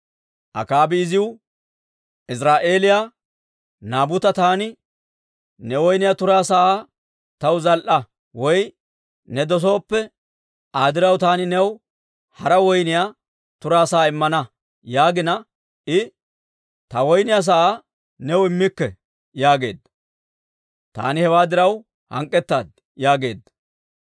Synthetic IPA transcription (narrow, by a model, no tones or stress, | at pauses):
ʔɐ̰kaːbɪːzɪwʊ | ʔɪsɾaːʔe̞ːlɪja | naːbʊt̪ɐt̪aːnɪ | nɛwɔjnɪjaːt̪ʊɾaːsɐaː | t̪ɐwzɐlʔɐ | wɔj | nɛd̪ɔs̬o̞ːpːɛ | ʔaːd̪ɪɾɐwt̪aːnɪnɛw | hɐɾɐwɔjnɪja | t̪ʊɾaːsɐːɪmːɐnɐ | jaːɡɪnɐ | ʔɪ | t̪ɐwɔjnɪjas̬ɐʔaː | nɛwɪmːɪkːɛ | jaːɡe̞̰ːd̪ɐ | t̪a̰ːnɪhɛwaːd̪ɪɾɐw | hɐŋkʼːɛt̪ːa̰ːd̪̚ | jaːɡeːd̪ːɐ